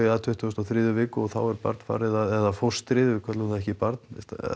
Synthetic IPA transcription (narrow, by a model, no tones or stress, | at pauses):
ðat̪ʰʏht̪ʏst̪awθɾɪːðʏvɪːkʏɔɣθa̰wɛɾpa̰ɾt̪nfa̰ːɾɪðaðɛðafowst̪ɾɪːðʏvɪkʰɛt̪lʏnaðɛhcɪpaɾt̪nɛst̪